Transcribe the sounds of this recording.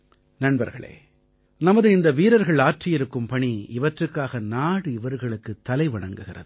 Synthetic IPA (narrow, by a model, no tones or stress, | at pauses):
nɐɳbɐ̰ɾɣɐ̰ɭḛː | nɐmɐðɯɪnd̪ɐʋiːɾɐɾɣɐɭaːʈrɪjɪɾɯkːɯmpɐɳiɪʋɐʈrɯkːaːɣɐnaːɽɯɪʋɐɾɣɐɭɯkːɯt̪ːɐlɐɪʋɐɳɐŋɡɯɣɪrɐ̰ðɯ